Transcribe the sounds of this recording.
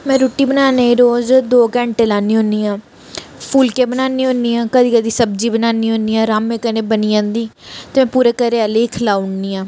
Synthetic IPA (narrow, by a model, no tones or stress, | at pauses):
mɛ̃ːɾoːʈːiːbənaːneːiɾoːzd̪oːkɛ̃ːɳʈeːlaːniːɦõːniːãː | pʰuːlkeːbənaːniːɦõniːãːkəd̪iːkəd̪iːsəb̚d͡ʒiːbənaːniːɦõːniːãːɾaːmːẽːkənẽːbəniãːd̪iːt̪eːmɛ̃ːpuːɾeːkəɾeːaleːkʰəlaːʊnːiːãː